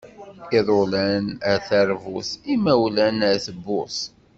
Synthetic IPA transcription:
iðˤolænæθæɾvʊθimæwlænæθəbːʊ̰θ

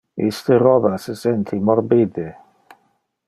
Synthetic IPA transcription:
ist̪eɾɔbasesɛnt̪ʰimɔrbid̪e

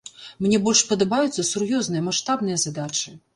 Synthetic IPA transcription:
mnʲɛbɔlʲʂpɐd̪ɐbajut̪sːɐsurjɔznɨjɐmaʂt̪abnɨjɐzad̪at͡ʂɨ

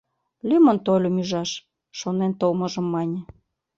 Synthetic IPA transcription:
lʲymont̪olʲomyʒɑʃ | ʃonent̪olmɤ̆ʒɤ̆mːɑnʲĕ

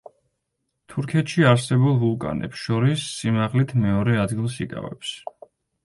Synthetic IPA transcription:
t̪ʰuɾkʰɛt̪ʰʃiaɾsɛbulˠvulˠkʼa̰nɛ̰psʃɔɾisːimaʁlit̪ʰmɛɔɾɛad̪ɡilˠsikʼa̰vɛ̰ps

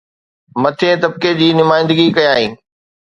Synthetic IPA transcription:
mɐt̪ʰẽt̪ɐb̚ked͡ʑiːnʊmaːɪ̃nd̪əɡikɐjaːɦĩː

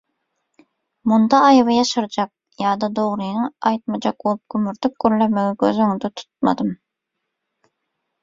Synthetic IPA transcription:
mund̪ɑːjvɑjɑʃɑɾd͡ʒɑk̚ | jɑːd̪ɑd̪oʁɾɨjŋɑjt̪̚mɑd͡ʒɑk̚bolˠup̚ɡ̥ʲɵmyɾt̪ʰyp̚ɡ̥ʲøɾlæmeɡʲɪɡʲøzøŋd̪ɛt̪ʰu̥t̪̚mɑ̰d̪ɨm

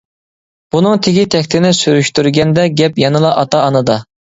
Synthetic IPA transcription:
b̥unɨŋt̪ʰɪɡʲit̪ʰɛkʲt̪ʰɪnɪsyɾyʃt̪yɾɡʲɛnd̪ɛɡʲɛpjɑnɨlˠɑʔɑt̪ɑːnɨd̪ɑ

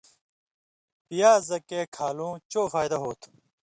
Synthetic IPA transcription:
pijaːzɐkeːkʰaːlũːt͡ɕoːfaːjd̪ɐɦoːt̪ʰ

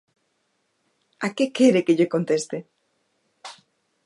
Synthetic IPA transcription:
akekeɾekeʎeko̞nt̪est̪e

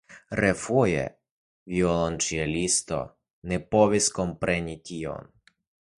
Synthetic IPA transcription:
ɾɛfujɛ̰ | ʋʲiɔlˠɔnt͡ʃialʲist̪ɔ̰ | nɛpɔʋʲiskɔmpɾɛnʲit̪ʲijɔ̰n

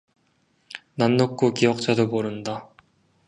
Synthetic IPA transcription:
nanːok̚k͈okiʌk̚t͡ɕ͈adomoɾɯnda

